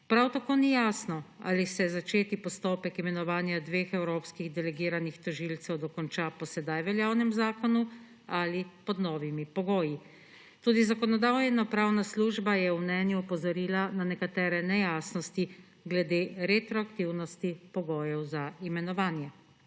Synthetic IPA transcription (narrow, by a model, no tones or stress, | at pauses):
pɾawt̪akoːnijaːsnɔa̰lisɛzat͡ʃeːt̪ipɔst̪oːpɛkimɛnɔʋaːnjad̪ʋeːxɛwɾoːpskiɣd̪ɛlɛɡiːɾanixt̪ɔʒilt̪sɛwd̪ɔkɔnt͡ʃapɔsɛd̪ajʋɛljaːwnɛmzaːkɔnu | alipɔd̪nɔːʋimipɔɡoːji | t̪uːd̪izakɔnɔd̪aːwjɛnapɾaːwnasluːʒbajɛwmnɛːnjuupɔzɔɾiːlananɛkat̪ɛːɾɛnɛjaːsnɔst̪i | ɡlɛd̪eːɾet̪ɾɔakt̪iwnɔst̪ipɔɡoːjɛwzaimɛnɔʋaːnjɛ